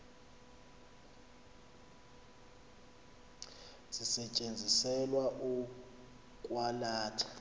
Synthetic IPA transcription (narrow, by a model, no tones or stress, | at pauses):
z̥isɛt͡ʃʼend͡zʱisɛlwaʔu | kʼwalaːtʰḁ